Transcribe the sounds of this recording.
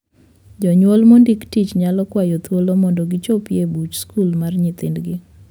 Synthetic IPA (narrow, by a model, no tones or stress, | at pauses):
d͡ʒɔɲwɔlmondiktit͡ʃɲalɔkwajɔt̪wolomɔndɔɡɪt͡ʃopjebut͡ʃskulmarɲɪt̪ɪndɡɪ